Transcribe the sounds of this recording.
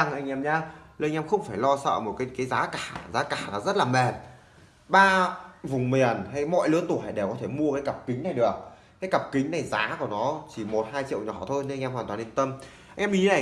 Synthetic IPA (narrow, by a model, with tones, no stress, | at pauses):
a˧˩ŋʔa˧jŋ̟ʔɛ˧mɲaː˨˧le˧ŋ̟ʔɛ˧mxə˧wŋ͡mfaː˧˩jlɔ˧sə̰ː˧˨mo˨˩t̚kaː˨˦jkaː˨˦jzaː˨˦kaː˧˩˨zaː˨˦kaː˧˩nɔ˨˩zə˦˥t̚laː˨˩mɛ˨˩t̚ | ɓaː˧vʊ˨˩ŋ͡mmi˨˩ənha˧jmɔ̰˧˨jlɨ˨˦ət̪u˧˩ha˨˩jɗe˧˩wkɔ˨˦t̪ʰe˧˩mu˧əkaː˨˦jkə˨˩p̚kï˨˦ŋ̟na˨˩jɗɨ˨˩ək̚ | kaː˨˦jkə˨˩p̚kï˨˦ŋ̟na˨˩jzaː˨˦ku˧˩ənɔ˨˦t͡ɕi˧˩mo˨˩t̚haː˧jt͡ɕḭ˧˨əwɲɔ˧˩t̪ʰo˧jne˧ʔɛ˧mhwaː˨˩nt̪waː˨ne˧nt̪ə˧m | ʔʔɛ˧mʔi˨˦na˨˩